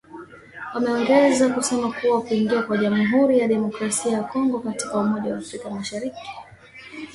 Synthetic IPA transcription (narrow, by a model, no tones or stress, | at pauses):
wamɛɔŋɡɛzakusɛmakuwawkuiŋɡiakwaʄamuɦuɾijaɗɛmɔkɾasiajakɔŋɡɔkati̥kaumɔʄawaːfɾikamaʃaɾiki̥